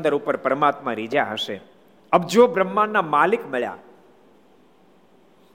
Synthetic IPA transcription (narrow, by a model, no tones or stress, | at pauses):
nd̪əɾupəɾpəɾəmat̪mãɾid͡ʒaɦəʃe | əb̚d͡ʒobɾəmːanːamalikmɛɭja̰